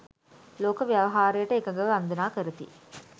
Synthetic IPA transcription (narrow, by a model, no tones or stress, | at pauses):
loːkəʋijaʋɐɦaːɾəjəʈəekɐŋɡəʋəʋɐand̪ɐnaːkəɾət̪ḭ